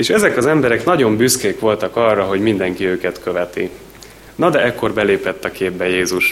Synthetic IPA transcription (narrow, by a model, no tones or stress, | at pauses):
eːʃɛzɛkɒzɛmbɛɾɛkn̪ɒɟo̞mbyskeːkʋo̞lt̪ɒkɒrːɒɦo̞ɟmind̪ɛŋkiøːkɛt̪kø̞vɛt̪ḭ | nɒd̪ɛɛkːo̞rbɛleːpɛt̪ːɒkeːbːɛjeːzuʃ